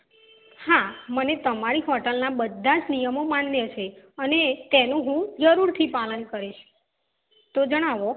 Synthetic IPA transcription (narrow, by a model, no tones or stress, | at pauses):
hamənet̪əmaɭiɦɔʈəlnabəd̪ʱːad͡ʒnijəmomanljet͡ʃʰe | ənet̪enũɦũd͡ʒəɾuɾt̪ʰipalənkəɾiʃ | t̪od͡ʒəɽ̃aʋo